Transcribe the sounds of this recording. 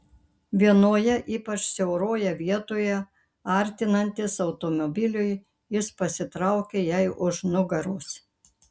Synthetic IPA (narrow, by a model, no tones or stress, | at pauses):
ʋʲiɛnoːjɛʔiːpɐt͡ʃsʲɛʊɾoːjɛʋʲiɛt̪oːjɛ | ɐɾʲt̪ʲɪnɐnʲt̪ʲɪsɒʊt̪omobʲɪlʲʊj | jɪspɐsʲɪt̪ɾɐʊkʲejɛɪʔʊʃnʊɡɐɾʊs